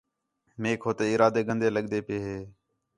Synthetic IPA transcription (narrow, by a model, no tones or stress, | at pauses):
meːkʰɦoːt̪eːɪɾaːd̪eːɡʱə̃nd̪eːləɠd̪eːpɪeːɦeː